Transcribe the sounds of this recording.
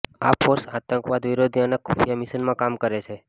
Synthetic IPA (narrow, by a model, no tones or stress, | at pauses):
apʰoɾsat̪əŋkʋad̪ʋiɾod̪ʱiənekʰufjamisənmãkamkəɾet͡ʃʰe